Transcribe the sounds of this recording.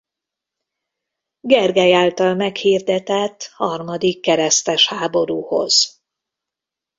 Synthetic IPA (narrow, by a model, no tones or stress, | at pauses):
ɡɛrɡɛjaːlt̪ɒlmɛkhiːrd̪ɛt̪ɛt̪ːhɒrmɒd̪ikːɛɾɛst̪ɛʃhaːbo̞ɾuːho̞̰z̥